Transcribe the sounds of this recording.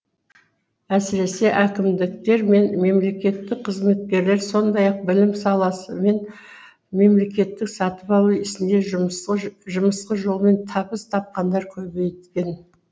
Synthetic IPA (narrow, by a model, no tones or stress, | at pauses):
æsɪɾe̞se̞ʔækʲɪmd̪ɪk̚t̪e̞ɾme̞nme̞mle̞kʲe̞t̪ːɪk̚qʰəzme̞t̪̚kʲe̞ɾle̞ɾso̞nd̪ɑjɑq̚bɪlɪmsɑlˠɑsəme̞n | me̞mle̞kʲe̞t̪ːɪksɑt̪əpɑlˠəɪʃɪnd̪e̞ | ʒʊməsqəʒo̞lˠme̞nt̪ʰɑpəst̪ʰɑp̚qɑnd̪ɑɾkʲʰɵbe̞jt̪kʲe̞n